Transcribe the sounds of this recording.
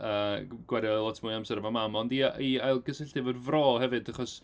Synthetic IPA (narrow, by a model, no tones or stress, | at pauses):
əːɡ̥wɛɾjalˠɔtʰmʊːjamsɛɾvamamɔndiʔiajlˠɡəsɪɬdɪvədvrɔːhɛvɨdaχɔs